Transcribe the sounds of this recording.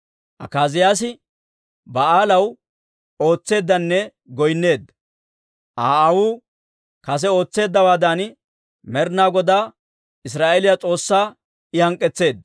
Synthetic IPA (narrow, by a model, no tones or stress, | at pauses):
ʔɐ̰kaːzɪjaːs̬ɪ | bɐaːlɐw | o̞ːt͡sːe̞ːd̪ːɐnːɛ | ɡɔjnːe̞ːd̪ | ʔaːɐwu | kɐs̬ɛo̞ːt͡sːe̞ːd̪ːɐwaːd̪aːn | mɛɾnaːɡɔd̪aː | ɪs̬ɾaːʔeɛlɪjat͡sʼo̞ːsːaː | ɪjɐŋkʼːɛt͡sːe̞ːd̪